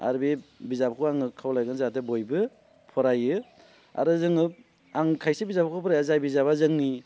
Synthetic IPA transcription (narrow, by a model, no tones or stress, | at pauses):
a̰ɾbebizabkʰuaŋɯkʰːawlajɡɯnzatɯbojbɯ | pʰɔɾajɯ | a̰ɾɯzɯŋɯ | aŋkʰajsibizapakʰupʰɯɾajazajbizaβazɯŋni